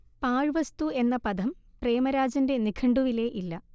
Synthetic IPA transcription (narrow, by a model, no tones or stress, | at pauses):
paːɻʋɐst̪ue̞nːɐpɐd̪ʱɐmpre̞ːmɐɾaːd͡ʑɐnde̞nikʰɐɳɖuʋile̞ʔilːɐ